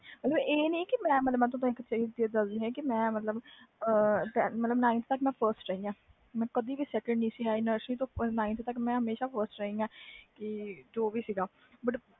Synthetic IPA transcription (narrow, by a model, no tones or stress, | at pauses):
mət̪ləbeːnĩːkɪmɛ̃ːmət̪ləbmɛ̃ːt̪̬õːt̪ãɪkːt͡ʃad͡ʒd̪id̪əsd̪iːɦɛ̃ːkɪmɛ̃ːmət̪ləbəʈːmət̪ləbnaːɪ̃nt̪t̪əkmɛ̃ːpʰəɾsʈɾəĩːɡãː | mɛ̃ːkəd̪iːbiːsɛːkəɳɖnĩːsiːɦɛːɪnəɾʃliːt̪õːnaːɪ̃nt̪ːt̪əkmɛ̃ːɦəmeːʃaːpʰəɾsʈɾəĩːɡãːkɪd͡ʒoːʋiːsiːɡaː | bəʈ